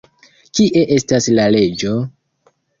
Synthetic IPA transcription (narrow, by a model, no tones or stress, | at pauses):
kiʔe̞ʔe̞staslale̞d͡ʒo̞